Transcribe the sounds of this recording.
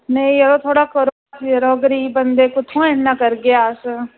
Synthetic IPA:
neĩəɾoːt̪ʰoːɽaːkəɾo | sjəɾoːɡəɾiːbənd̪eːkʊt̪ʰõːɛnːaːkəɾɡejaːs

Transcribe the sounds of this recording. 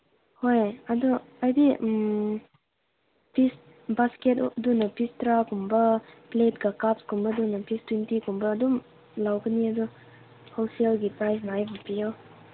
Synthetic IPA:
hojadu | ajdim | pis | basketdunɐpistɾakumbɐplet̚kakapskumbɐdunɐpistwintikumbɐːdum | lawkəniɐdu | holselɡipɾajs̬naajbupiɔ

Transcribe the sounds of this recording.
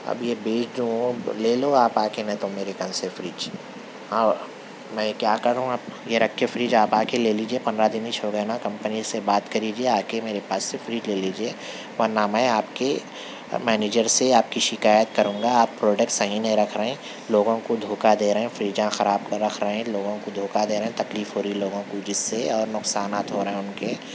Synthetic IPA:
ɐ̰bjebeːt͡ʃʰd̪ũõleːloaːpaːkenɐ̃ĩt̪omeːɾekɐ̃nsefɾiːd͡ʒ | ɦãː | mɛ̃kjaːkɐɾɾɦũaːpjeɾɐkʰːefɾiːd͡ʒaːpaːkeleːliːd͡ʒiepɐnd̪ɾad̪ɪnit͡ʃʰoːɡenakɐ̃mpənisebaːt̪kɐɾiːd͡ʒieaːkemeːɾepaːsːefɾiːd͡ʒleːliːd͡ʒieː | ʋɐnaːmaeaːpke | mɛːneːd͡ʒəɾseaːp̚kiʃɪkaːjət̪kɐɾũːŋɡaaːpːɾoːɖək̚ʈsɐɦĩnɐɦĩɾɐkʰɾɐɦẽ | loːɡõkod̪ʱoːkad̪eːɾɐɦɛ̃fɾiːd͡ʒãxɐɾaːb̚ɾɐkʰɾɐɦẽloːɡõkod̪ʱoːkad̪eːɾɐɦɛ̃t̪ɐkliːfɦoːɾiiloːɡõkod͡ʒɪsːeɔːɾnʊksaːnaːt̪ɦoːɾɐɦɛ̃ʊnke

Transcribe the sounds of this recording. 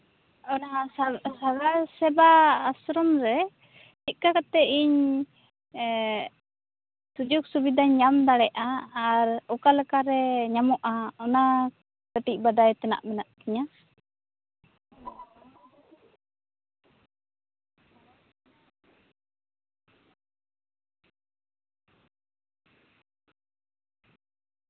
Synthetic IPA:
ɔnasabasɛbaːsɾɔmɾɛ | t͡ʃit̪̚kakat̪ɛʔiɲ | t̪ud͡ʒuk̚subid̪ʱaɲamd̪aɽɛʔaːɾɔkalakaɾɛɲamɔʔaɔna | kəʈic̚bad̪ajt̪ɛna̰ʔmɛnaʔkiɲa

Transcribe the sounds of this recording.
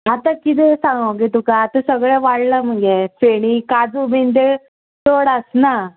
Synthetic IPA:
at̪akit̪̬esaŋɡə̃ɡet̪ukaːt̪asəɡɭaʋaɽləm̤əɡefeɽ̃ikad͡zument̪e | t̪oɽəsna

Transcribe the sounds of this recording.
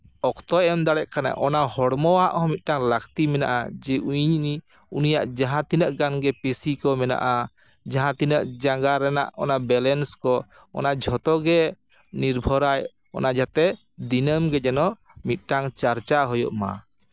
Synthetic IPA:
ɔkt̪ɔʔɛmd̪aɽɛʔkana̰ʔɔnahɔɽmɔaʔhɔmit̪̚ˀʈaŋləkt̪imɛna̰ʔad͡ʒɛʔuɲni | unijaʔd͡ʒaɦãt̪inəʔɡanɡɛpesikɔmɛna̰ʔa | d͡ʒaɦãt̪inəʔd͡ʒaŋɡaɾɛna̰ʔɔnaʔbɛlɛnskɔ | ɔ̰nad͡ʒʱɔt̪ɔɡɛ | niɾbʱɔɾaj | ɔ̰nad͡ʒat̪ɛ | d̪inəmɡɛd͡ʒɛnɔʔ | mit̪̚ˀʈaŋt͡ʃaɾt͡ʃaɦɔjɔ̰ʔma̰

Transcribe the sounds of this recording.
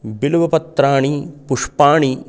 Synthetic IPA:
biluʋɐpɐt̪ːɾaːɳipuʂpaːɳi

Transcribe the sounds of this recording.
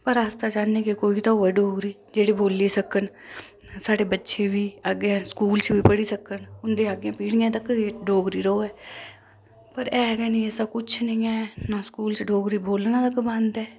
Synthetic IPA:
pəɾaːst̪aːd͡ʒaːneːkekoːiːt̪aːoːɛːɖoːɡɾiː | d͡ʒeːɽiːboːliːsəkən | saːɖeːbətːʃeːʋiːaɡãːskuːlt͡ʃʋiːpəɽiːsəkənʊnd̪eːaɡjãːpiːɽijãːt̪əkːɖoːɡɾiːɾooːɛː | pəɾɛːɡɛːnĩɛsakʊt͡ʃʰnəĩːɛːnaːskuːlt͡ʃɖoːɡɾiːboːlnãːt̪əkbə̃nd̪ɛː

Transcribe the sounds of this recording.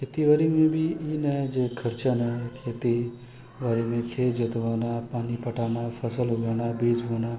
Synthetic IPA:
kʰet̪iʋaːɾimẽbʱiinɐed͡ʒekʰɐɾt͡ʃanɐkʰeːt̪i | ʋaːɾimẽkʰeːd͡ʒɪt̪ʋaːnaːpaːnipɐʈaːnaːpʰɐsəlɦoɡaːnaːbiːd͡ʒboːnaː

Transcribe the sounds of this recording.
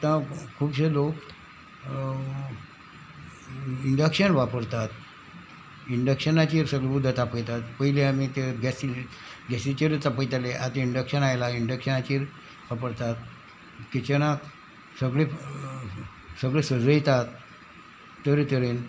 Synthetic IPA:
t̪ãkʰːuːbɕelok | iɳɖəkɕənʋapəɾt̪at̪ | iɳɖəkʂənat͡ɕiːɾsəɡɭeud̪ʱːət̪apəjt̪at̪pəɦileamit̪eɡɛsil | ɡɛsit͡ɕiɾt̪apəjt̪aleʔat̪eiɳɖəkɕənajlaiɳɖəkʂənat͡ɕiːɾ | ʋapəɾt̪at̪̚ | kit͡ɕəñat̪ | səɡɭe | səɡɭesəd͡zəjt̪at̪ː | əɾit̪əɾen

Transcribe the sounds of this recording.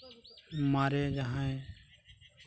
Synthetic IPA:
maːɾeːd͡ʒaɦãẽ

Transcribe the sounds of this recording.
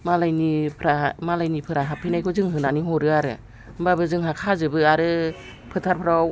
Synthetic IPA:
malajnipʰɾamalajnipʰɯɾaɦapʰinajkʰɔzɯŋɦɯnaniɦɔɾɯaɾɯ̰ | mbabɯzɯŋɦakʰazɯbɯaɾɯ | pʰɯtʰaɾpʰɯɾa

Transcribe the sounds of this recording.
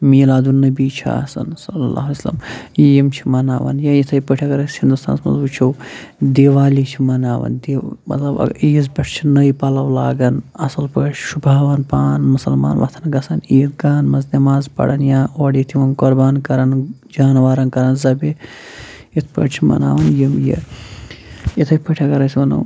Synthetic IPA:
miːlaːd̪unːɐbiːt͡ʃʰa̰ːsɐ̰nsɐlːɐla̰ːɦlɐslɐ̰mjimt͡ʃʰimɐna̰ːʋɐ̰njãːjit̪ʰɐjpəʈʰɐkɐɾɐhind̪ust̪ʰa̰ːnsmɐ̰zut͡ʃʰiwd̪eːʋaːlit͡ʃʰimɐnaːʋɐ̰nd̪eːmɐ̰t̪lɐbɐ̰iizbɐʈʰt͡ʃʰinɐjpɐlɐwlaːɡɐnɐsɐlpɐt͡ʃʰʃubʱaːʋɐnpaːnmusɐlma̰ːnʋɐ̰t̪ʰɐnɡɐsɐniːt̪ɡaːnmɐznʲɐmaːzpɐ̰ɽɐnjãːoːɽit̪ʰiʋɐnkoɾbaːnkɐɾɐn | d͡ʒaːnʋaːɾɐnkɐɾɐnzɐbe | it̪ʰpɐ̰ʈt͡ʃʰimɐ̰na̰ːʋɐnjimjḭ | it̪ʰɐjpəʈʰɐkɐɾɐsʲʋɐnɐ̰w

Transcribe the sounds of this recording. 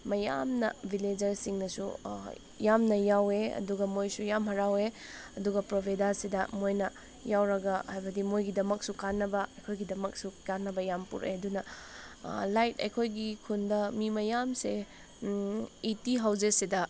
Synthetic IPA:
mɐja̰mnɐ̰bʱiled͡ʒɐɾsiŋnɐsṵ | jamnɐjaweɐ̰duɡɐmojsujamɦɐɾaweɐduɡɐpɾobʱedasidɐmojnɐ | jawɾɐɡɐhajbɐdimojɡidɐmɐk̚sukanːɐbɐɐjkʰojɡidɐmɐk̚sukanːɐbɐjampṵɾḛɐdunɐ | lajtɐ̰jkʰojɡikʰundɐmimɐjamse | itiɦɐwd͡ʒesidɐ

